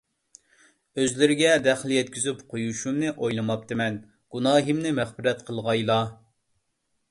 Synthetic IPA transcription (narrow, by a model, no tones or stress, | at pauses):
øzlɪɾɪɡʲɛd̪ɛχlˠjɛt̪̚kʲizypqʰojuʃumnɨʔojlˠɨmɑp̚t̪ɨmɛn | ɡ̥unɑːɦɨmnɪmɛχbɪɾɛt̪qʰəlˠʁɑjlˠɑ